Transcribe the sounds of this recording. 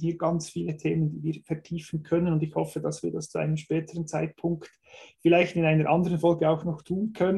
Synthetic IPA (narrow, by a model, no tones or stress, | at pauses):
hiːɡɑnt͡sfiːlətʰeːməndiːviːfɛʁtʰiːfən̩kʰœnənʊndɪçhɔfədɑsv̥iːɾdɑst͡sua̰ɪnəmʃpɛːtʰəʁənt͡saɪt̚pʰʊŋkt | fɪlaɪçtɪnaɪnəɾʔɑndəʁənfɔlɡəaʊxnɔχtʰuːnkʰœnə